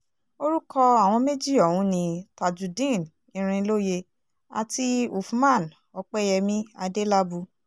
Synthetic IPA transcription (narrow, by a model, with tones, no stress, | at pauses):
o˦ɾu˦kʰɔ˧a˨w̃ɔ̃˧me˦d͡ʒi˦ɔ˨wũ˨˦nĩ˧ta˨d͡ʒu˨dĩ˦˨n | ĩ˧ɾ̃ĩ˧lo˦je˧ | a̰˨ti˧u˨fu˦mã˦˨n | ɔ˧k͡pɛ˦jɛ˧mĩ˦a˧de˦la˦bu˧